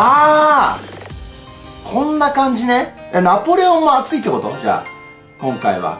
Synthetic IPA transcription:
aː | kʰõ̞nːakãɲ̟d͡ʑine | janapo̞ɾʲeõmːoat͡sɨit̪ːeko̞t̪o̞̰d͡ʑa̰ː | kõ̞ŋkaiβa̰

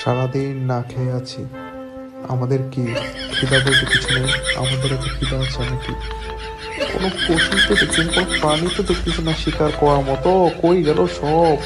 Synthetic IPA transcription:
ʃaɾad̪innakʰeeat͡ɕʰi | a̰mad̪eɾkikʰid̪ad̪eɾd͡ʑekit͡ɕʰuneja̰mad̪eɾak̪ekid̪aat͡ɕʰeanaki | ko̰nopoʃit̪oet͡ɕinkonopɾanit̪od̪okit͡ɕʰunaʃikaɾkɔaɾmɔt̪okojɡɛloʃɔb

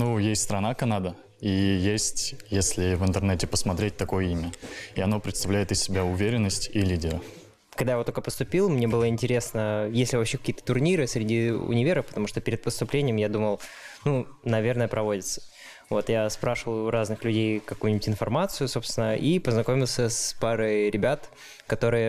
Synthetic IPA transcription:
nujesʲtʲst̪ɾɐnakɐnad̪ə | ijesʲtʲjesʲlʲɪvɨnt̪ɨrnɛtʲɪpəsmɐt̪ɾʲet̚ʲt̪ɐko̞jəimʲəiɐno̞pɾʲɪt̪st̪ɐvlʲæjɪt̪ɪsʲːɪbʲaʊvʲeɾʲɪnːəsʲtʲilʲidʲɪɾə | kɐɡd̪ajavt̪okəpəst̪ʊpʲilˠmnʲebɨlˠəɪnʲtʲɪɾʲe̞snəjesʲlʲɪvɐpɕːekɐ̥kʲiːət̪ə̥t̪ʊrnʲiɾɨsʲɾʲɪdʲiʊ̰nʲɪvʲeɾəfpət̪ɐmuʂt̪o̞pʲɪɾʲɪt̪̚pəst̪ʊplʲenʲɪjəmjad̪uməlˠ | nunɐvʲe̞rnəjəpɾɐvo̞dʲɪt̪sə̥ | vo̞t̪jaspɾaʂəvəljʊɾaznɨxlʲʉdʲejkɐkujnʲɪbʲʊtʲɪnfɐrmat̪sɨjʊso̞pst̪ʲvʲɪnəʔipəznɐkomʲɪlˠsʲəspaɾəjɾʲɪbʲat̪ | kɐt̪o̞ɾɨjə

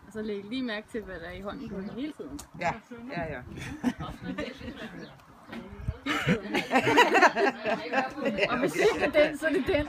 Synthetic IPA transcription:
ɒsɒ̽leɡɡ̥liːmæɐɡ̥̚t͡sʰe̝lʋæd̥æɐiɦɒ̽n̰n̩ɡ̥ɔ̥ɐhe̝ːlt͡sʰið̰ˠn̩æ | heːlt͡sʰð̰ˠn̩ | ɒ̽ʋeseɒd̥ensɒde̝d̥en

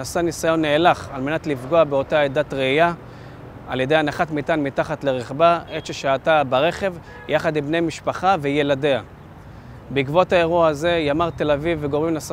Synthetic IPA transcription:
asanisajo̞nːeːlaχalme̞nat̪lifɡo̞abeo̞taed̪atʁeija | alje̞d̪ejanaχatmitanmitaχatle̞ʁeχbaetʃeʃaːtabaʁe̞χe̞v | jaχadimbnejmiʃpaχaveje̞lade̞a | bikvo̞tae̞ʁuaaze̞jamaʁt̪e̞lavivːeɡo̞ʁimnas

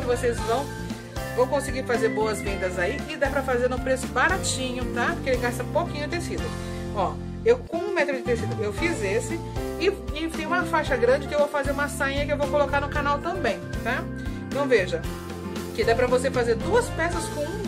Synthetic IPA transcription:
kɪvosezvɐ̃w̃ | vɐ̃w̃kõsɪɡiɾfazeɾbowɐzvẽnd̪ɐzaiɪd̪apɾɐfazeɾʊ̃pɾesʊ̥baɾat͡ʃĩɲʊt̪akeelɪɡast̪ɐũpowkĩɲʊt̪esid̪ʊ | ɔ | ewkõũmɛt̪ɾʊd͡ʒɪt̪esid̪ʊewfizesɪ | ɪɪfĩũmɐfajʃɐɡɾɐ̃d͡ʒɪkɪewvowfazeɾũmɐsãĩɲɐkɪewvowkolokaɾnʊkanawt̪ɐ̃bẽj̃t̪a | ẽt̪ɐ̃w̃veʒɐ | kɪd̪apɾɐvosefazeɾd̪uɐspɛsɐskõũ

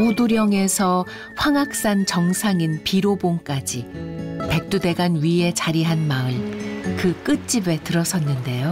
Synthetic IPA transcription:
oduɾjʌŋe̞sʰʌ | ɸwaŋak̚s͈ant͡ɕʌŋsʰaŋinpiɾoboŋk͈ad͡ʑipe̞k̚t͈ude̞ɡanɥie̞t͡ɕaɾiɦanmaɯɭkɯk͈ɯt̚t͡ɕ͈ibe̞tɯɾʌsʰʌnːɯnde̞jo

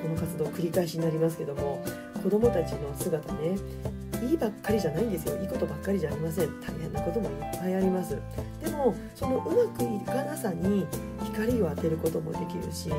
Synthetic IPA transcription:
ko̞no̞kat͡sɨd̪o̞ːkɯ̟ɾʲikaiɕiɲ̟inaɾʲimas̬ɨ̥ke̞d̪o̞mo̞ | ko̞d̪o̞mo̞t̪at͡ɕino̞sɨɡat̪ane̞ | iːbakːaɾʲiʑanaind̪e̞sɨjo̞iːko̞t̪o̞bakːaɾʲiʑaːɾʲimasẽ̞nt̪ʰaiɦẽ̞nːako̞t̪o̞mo̞ipːaiaɾʲimasɨ | d̪̥e̞mo̞ | so̞no̞ʔɯ̟makɯ̟ikanasaɲ̟ːi | çi̥kaɾʲio̞at̪e̞ɾɯ̟ko̞t̪o̞mo̞̰d̪e̞kʲiɾɯ̟̰ɕi

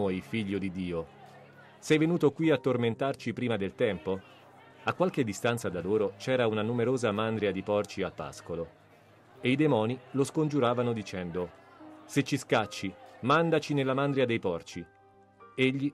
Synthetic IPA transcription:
ojfiʎːod̪id̪ːiːo | sɛjvenuːt̪okwiat̪ːorment̪art͡ʃipɾiːmad̪elt̪ɛmpo | akːwalk̟ed̪ːist̪ant̪sad̪aloːɾot͡ʃɛːɾaunanumeɾoːzamand̪ɾjad̪ipɔrt͡ʃialpa̰skolo | eid̪emɔːniloskond͡ʒuɾaːvanod̪it͡ʃɛnd̪o | set͡ʃːiskat͡ʃːimand̪at͡ʃinelːamand̪ɾiad̪ejpɔrt͡ʃi | eʎːi

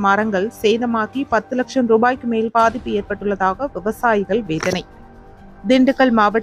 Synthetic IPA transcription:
mɐɾɐŋɡɐɭseːðɐmaːkipɐt̪ːɯlɐkʂɐmɾuːbaːjkːɯmeːlpaːðɪpːɯeːrpɐʈːɯɭːɐðaːɣɐʋɪʋɐsaːjɪɣɐɭʋeːðɐnɐɪ | d̪ɪɳɖɯkːɐɭmaːʋɐ

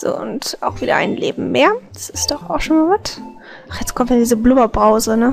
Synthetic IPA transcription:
z̥o̰ːʔʊnta̰ʊxv̥iːdɐ̰ʔa̰ɪnlḛːbm̩meːɐd̥ḁsɪstd̥ɔχaʊxʃoːnmaːvat | ʔaχjɛt͡skʰɔmtvidiːzəblʊmɐbʁaʊzənə

